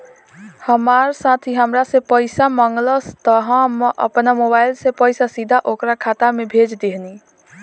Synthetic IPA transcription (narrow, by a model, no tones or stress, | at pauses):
həmaɾsat̪ʰiɦəmɾasẽpəjsaməŋɡləst̪əɦə̃mʔə̰pnamobajlsẽpəjsasid̪ʱaʔokɾakʰat̪amebʱed͡ʒd̪eɦni